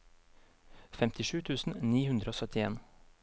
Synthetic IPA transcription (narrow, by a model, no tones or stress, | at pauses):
fɛmt̪ʰɪʃʉːt̪ʰʉːsn̩niːhʉnd̪ɾəoːsœt̪ɪḛːn